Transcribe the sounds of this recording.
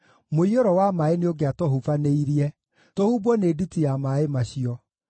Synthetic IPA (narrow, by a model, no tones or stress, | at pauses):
moioɾɔwamaenioɡeatɔɦuvaneiɾiɛ | tohubɔneːditijamaemaɕiɔ